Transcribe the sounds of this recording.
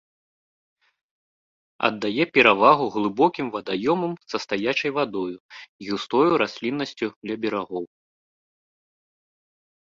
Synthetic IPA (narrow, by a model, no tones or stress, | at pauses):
ɐ̰d̪ːajɛpʲɛɾavaɣuɣlˠɨbɔkʲimvɐd̪ajɔmɐmsɐst̪ajat͡ʂɐjvad̪ɔjuɣʲust̪ɔjuɾasʲlʲinːɐsʲt͡sʲud̪lʲɐbʲɛɾaɣɔw